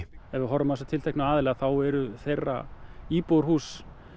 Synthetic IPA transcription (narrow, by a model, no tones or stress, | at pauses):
ɛvɪðɦɔɾːʏmasḁt̪ʰɪlt̪ʰɛjknaaːðɪlɛːɣaθawɛɾʏθejrːa̰iːpowɾ̥huːs